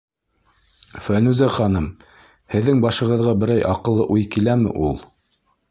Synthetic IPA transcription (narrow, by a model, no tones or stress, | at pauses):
fænʉzæχɑnɤm | hɘ̆ðːɘŋbɑʃɤ̆ʁɤ̆ðʁɑbɘ̆ɾæjʔɑqɤ̆lˠːɤʔujkilæmɘ̰ʔulˠ